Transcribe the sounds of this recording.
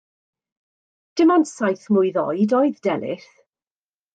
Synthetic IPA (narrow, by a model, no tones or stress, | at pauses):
d̥ɪmɔnsajθmʊɨðɔ̰ɨdɔɨðdɛnɪ̰θ